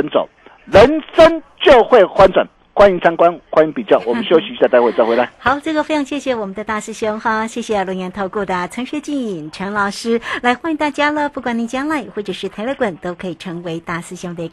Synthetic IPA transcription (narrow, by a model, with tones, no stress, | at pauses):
ə˧˦nt͡so̰˨˦ | lə˨˦nʂə˦˥nt͡ɕjo˥˧ʊxwe˥˨ɪxwa˥nt͡swa̰˨˩n | xwa˥ni˧˥ŋt͡sʰa˥ŋkwa˦nxwa˥ni˧˥ŋpi˨˩t͡ɕjɑ˥˩ʊwɔ˨˩m˦nɕy˥o˥˩ɕy˧˥i˥˧a˥˧t̪a˥˧we˥˧t͡sa˥˧we˥ɪla˨˩˦xɑ˨˩˦ʊʈ͡ʂɤ˥˩ɡə˩fe˥ɪʈ͡ʂʰɑ˧˥ŋɕjɛ˥˩ɕjɛ˨˩wɔ˨˩mə˦nd̪ə˧t̪a˥˧sɹ̩˥˧ɕjo˥ŋxa˥˧ɕjɛ˥˩ɕjɛ˨˩lʊ˧˥ŋjɛ˧˥nt̪ʰo˥˧ʊkwɔ˥˩d̪ə˩ʈ͡ʂʰɤ˧˥ŋɕɥɛ˧˥t͡ɕi˥˩ni˨˩ŋʈ͡ʂʰə˧˥nlɑ˨˩ʊʂɻ̩˥la˧˥ɪxwa˥ni˧ŋt̪a˥˩t͡ɕja˥lə˨pu˥˩kwa˨˩ni˨˩t͡ɕjɑ˥ŋla˧˥ɪxwɔ˥˩ʈ͡ʂɤ˨˩ʂɻ̩˥˩t̪ʰa˧ɪlə˧kwə˨˩˦nt̪o˥ʊkʰɤ˧˥i˨˩ʈ͡ʂʰɤ˧˥ŋwe˧˥ɪt̪a˥˩sɹ̩˥˩ɕjo˥ŋd̪ə˧˩˧